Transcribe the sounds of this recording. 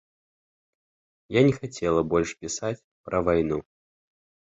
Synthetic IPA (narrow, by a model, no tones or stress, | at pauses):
janʲɛxat͡sʲɛlˠɐbɔlʲʂpʲisat͡sʲpɾʔɐvajnu